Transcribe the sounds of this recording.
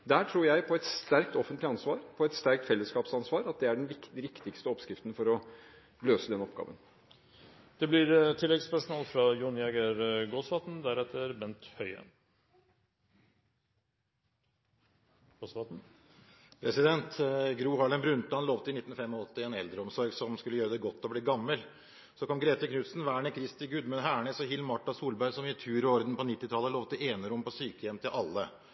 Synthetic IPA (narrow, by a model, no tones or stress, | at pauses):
d̪æːʈʰɾuːɾjæɪpʰɔɛt̪st̪æɾk̚t̪ɔfənt̪lɪɑnsʋɑːɾpʰɔɛt̪st̪æɾk̚t̪fɛlːəskɑːpsɑnsʋɑːɾɑt̪̚d̪ɛæɖɛnʋɪkɾɪkt̪ɪkst̪əɔpskɾɪft̪n̩fɔɾɔ | løːsəd̪ɛnɔpɡɑ̰ːʋə̰n | d̪̥ɛblɪɾt̪ʰɪlːɛɡspʰæʂʊnɑlfɾɑjʊnɪɛɡəɾɡosʋɑt̪nd̪æɾɛt̪ːəɾbɛnt̪hœʏə̰ | ɡosʋɑt̪n̩ | pʰɾɛsɪd̪ɛnt̪ɡɾuːɦɑɭənbɾʉnt̪ɑnloːʋt̪əɪnɪt̪ːnfɛmːɔɔt̪ːɪɛnɛld̪ɾəɔmsɔɾɡsɔmskʉlːəjøːɾəd̪ɛɡɔt̪ːɔbliːɡɑmːəl | sɔkʰɔmɡɾeːt̪əkʰnʉt̪sn̩ʋæːɳəkʰɾɪst̪ɪɡʉd̪mʉnɦæːɳəsɔɦɪlmɑʈːɑsuːlbæɪɾsɔmjɪt̪ʰʉːɾɔɾd̪n̩pɔnɪt̪ːɪt̪ʰɑlːəloːʋt̪əʔeːnəɾʊmpɔsyːkəjɛmt̪ʰɪlʔɑlːə